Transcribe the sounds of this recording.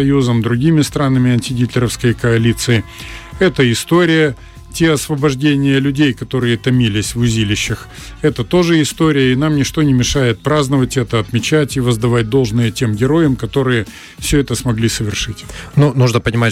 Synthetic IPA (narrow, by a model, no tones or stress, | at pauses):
ɐjuzəmd̪ɾʊɡʲimʲɪst̪ɾanəmʲɪɐnʲtʲɪɡʲit̪ʲlʲɪɾəfskəjkɐɐlʲit̪sɨɪɛt̪əɪst̪o̞ɾʲɪjə | tʲeɐsvəbɐʐdʲenʲɪjəlʲʉdʲejkɐt̪o̞ɾɨjət̪ɐmʲilʲɪsʲvʊzʲilʲɪɕːɪx | ɛt̪ət̪o̞ʐɨɪst̪o̞ɾʲɪjəinamnʲɪʂt̪o̞nʲɪmʲɪʂajɪt̪̚pɾaznəvətʲɛt̪əɐt̪mʲɪt͡ɕætʲivəzd̪ɐvat̚ʲd̪o̞lˠʐnɨjətʲe̞mɡʲɪɾo̞jəmkɐt̪o̞ɾɨjə | fsʲɵɛt̪əsmɐɡlʲisəvʲɪrʂɨtʲnunuʐnəpənʲɪma